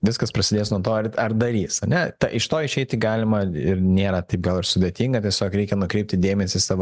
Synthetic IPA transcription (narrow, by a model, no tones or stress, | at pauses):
ʋʲɪskɐspɾɐsʲɪd̪ʲeːsnuɔt̪oːɐrɐrd̪ɐɾʲiːsɐnʲɛt̪ɐʔɪʃt̪oːɪʃʲɛɪt̪ʲɪɡɑːlʲɪmɐɪɾnʲeːɾɐt̪ɐɪp̚ɡɐlˠɪɾsʊd̪ʲeːt̪ʲiːŋɡɐt̪ʲiɛsʲoːkɾʲɛɪkʲɛnʊkɾʲɛɪp̚ʲt̪ʲɪd̪ʲeːmʲɛsʲiːsɑːʋo